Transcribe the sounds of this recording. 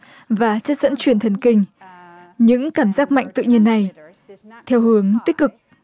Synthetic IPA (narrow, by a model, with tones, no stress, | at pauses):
vaː˨˩t͡ɕə˦˥t̚z̥ə̰˧˥nt͡ɕwi˧˩ənt̪ʰə˨˩nkï˧˩ŋ̟ | ɲɨ̰˧˥ŋkaː˧˩mzaː˦˥k̚ma̰˧˨jŋ̟t̪ɨ̰˧˨ɲi˧ənːa˨˩j | t̪ʰɛ˧wɦɨ˨˦əŋt̪i˦˥k̚kɨ˨˩k̚